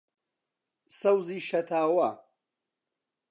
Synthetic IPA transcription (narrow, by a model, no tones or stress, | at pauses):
sɐwziːʃɐt̪ʰaːwɐ